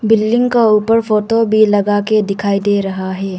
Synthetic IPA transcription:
bɪlːɪ̃ŋɡkauːpəɾfoːʈobʱilɐɡaːked̪ɪkʰaːid̪eɾɐɦaɦɛː

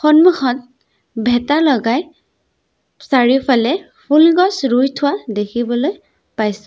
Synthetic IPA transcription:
xɔnmuxɔn | bʱɛtalɔɡaj | saɹipʰalɛ | pʰulɡɔsɹujtʰʊwadekʰibɔloj | pajsɛ̥

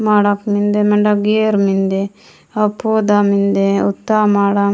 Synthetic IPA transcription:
maːɽakmind̪emɐɳɖaɡeɾmind̪e | ɐpːod̪amind̪eut̪ːamaːɽa

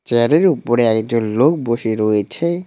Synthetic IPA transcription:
t͡ɕeɾeɾupoɾeɛkk̚d͡ʑonlok̚boʃiɾojet͡ɕʰe

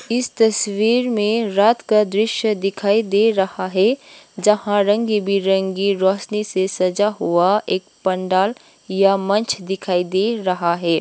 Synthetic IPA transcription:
ɪst̪ɐswiːɾmẽɾaːt̪kad̪ɾɪʃjəd̪ɪkʰaːid̪eɾɐhaɦɛd͡ʒɐhãɾə̃ŋɡibʱiɾə̃ŋɡiɾɔːʃnisesɐd͡ʒaɦuaeːk̚pɐɳɖaːl | jamɐ̃nt͡ʃʰd̪ɪkʰaːid̪eɾɐɦaɦɛː

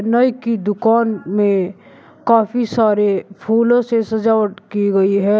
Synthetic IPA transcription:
nəjkid̪ʊkaːnmẽ | kaːfisaːɾepʰuːlõsesɐd͡ʒaːwəʈkiɡɐiɦɛː

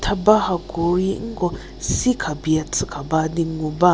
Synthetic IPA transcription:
t̪ʰabahaɡoiʔŋ̩ɡo | sikʰabiat͡sʰɨkʰabad̪iŋuba

